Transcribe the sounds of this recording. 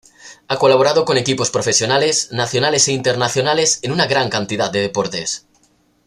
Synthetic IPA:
ako̞laβoɾað̞oko̞ne̞kipo̞spɾo̞fe̞sjo̞nale̞snaθjo̞nale̞seint̪e̞ɾnaθjo̞nale̞senunaɣɾaŋkant̪iðad̪eðepoɾt̪e̞s

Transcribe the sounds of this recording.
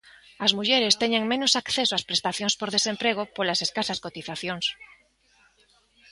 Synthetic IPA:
ɐzmuʝeɾest̪eɲẽŋmẽnosakθesoaspɾest̪aθjõŋspoɾðesempɾeɣ̞opolaseskasaskot̪iθaθjoŋs

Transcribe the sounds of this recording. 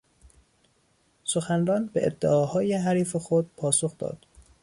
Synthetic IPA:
so̞xænɾɒːnbḛʔed̪ːḛʔɒːhɒːjeɦæɾiːfexod̪̥̚pʰɒːso̞xd̪ɒ̰ːd̪̥

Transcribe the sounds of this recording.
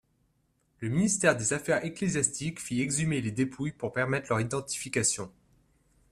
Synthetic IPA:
ləminist̪ɛʁd̪ezafɛʁeklezjast̪ikfiɛɡzymeled̪epʰujpuʁpɛʁmɛt̪χlœʁid̪ɑ̃t̪i̥fikasjɔ̃

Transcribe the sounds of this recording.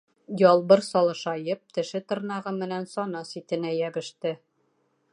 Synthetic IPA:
jɒlˠbɤɾsɒlˠɤ̆ʃɑjɤp̚t̪ɘ̆ʃɘt̪ɤ̆ɾnɑʁɤmɘ̆nænsɒnɤsit̪ɘ̆næjæbɘ̆ʃt̪ɘ

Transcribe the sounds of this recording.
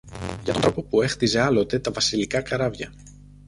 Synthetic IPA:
ʝɐt̪onɾo̞po̞pue̞xt̪ize̞ɐlo̞t̪e̞t̪ɐvɐsilikɐkɐɾɐvʝɐ

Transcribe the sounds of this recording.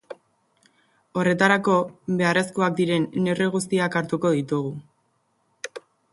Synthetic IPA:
o̞re̞t̪aɾako̞be̞are̞skuak̚d̪iɾe̞nːe̞reɣ̞us̬t̪iakaɾt̪uko̞ðit̪uɣu

